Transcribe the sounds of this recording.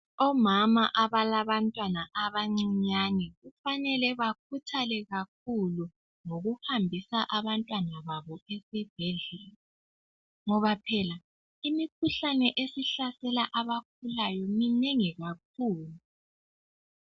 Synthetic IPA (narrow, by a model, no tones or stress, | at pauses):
ɔmamaʔaβalaβantʼwanaʔaβaŋ͡ǀiɲanɛɣufanɛlɛβak̚ʰutʰalɛɣak̚ʰulu | ŋoɣuhambʱisaʔaβantʼwanaβaβɔesib̥ʱɛɮɛːlɛ | ŋɔβapʰɛla | imikʰuɬanɛʔesiɬasɛlaʔaβak̚ʰulajɔmineŋiɣak̚ʰuːlu